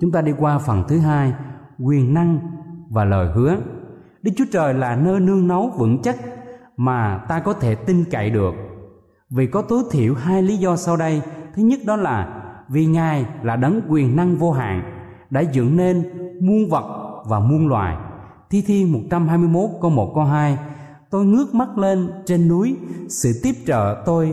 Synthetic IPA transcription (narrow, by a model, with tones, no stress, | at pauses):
t͡ɕʊ˨˦ŋ͡mt̪aː˧ɗi˧kwaː˧fə˨˩nt̪ʰɨ˨˦ɦaː˧j | kwi˨˩ənːa˧ŋvaː˨˩ləː˨˩jɦɨ˨˦ə | ɗɨ˨˦˥k̚t͡ɕu̥˨˦ət͡ɕəː˨˩jlaː˨˩nəː˧jnɨ˧əŋnə˨˦wvɨ̰˧˥ŋt͡ɕə˦˥t̚ | maː˨˩t̪aː˧kɔ˨˦t̪ʰe˧˩t̪i˧ŋka̰˧˨jɗɨ˨˩ək̚ | vi˨˩kɔ˨˦t̪o˨˦jt̪ʰḭ˧˩əwɦaː˧jli˨˦zɔ˧sa˧wɗə˧jt̪ʰɨ˨˦ɲə˦˥t̚ɗɔ˨˦laː˨˩vi˨˩ŋaː˨˩jlaː˨˩ɗə˨˦ŋkwi˨˩ənːa˧ŋvo˧ɦa̰ː˧˨ŋ | ɗa̰ː˧˥zɨ̰˧˨ŋne˧nmu˧ənvə˨˩t̚vaː˨˩mu˧ənlwa̰ː˨˩j | t̪ʰi˧t̪ʰi˧mo˨˩t̚t͡ɕa˧mhɦaː˧jmɨ˧əjmo˦˥t̚ko˧wmo˨˩t̚ko˧wɦaː˧j | t̪o˧jŋɨ˦˥ək̚ma˦˥t̚le˧nt͡ɕe˧nːu˨˦əjsɨ̰˧˨t̪i˦˥əp̚t͡ɕə̰ː˧˨t̪o˧j